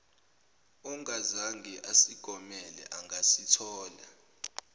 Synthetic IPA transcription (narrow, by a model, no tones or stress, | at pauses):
ɔŋazaŋɡʱɛʔasiɡ̥ʱɔmɛlɛ̰ʔaŋasitʰɔːla